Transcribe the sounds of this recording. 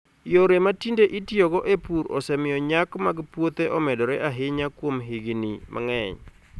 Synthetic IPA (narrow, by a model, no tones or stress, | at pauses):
joɾematindeʔitioɡɔʔepuɾɔ̰sɛmɪjɔɲakmaɡpwot̪eʔɔmɛdɔɾɛʔaɦɪɲakwomɦiɡinimʔa̰ŋɛ̰ɲ